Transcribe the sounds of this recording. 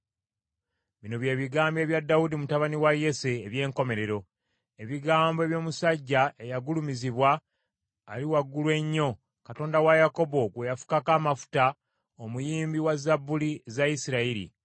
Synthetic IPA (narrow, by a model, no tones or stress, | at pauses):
βino̞βje̞ːβiɡaːmbje̞ːβjadːaudimutaβaniwaje̞seːβje̞ːŋko̞me̞ɾe̞ɾo̞ | e̞βiɡaːmboe̞βjo̞ːmusaɟːaʔe̞jaɡulumiziβwaː | liwaɡːulwe̞ɲːo̞ | kato̞ːndawajako̞bo̞ɡwe̞jafu̥kakamafu̥ta | omujiːmbiwazabːulizaisiɾaiɾḭ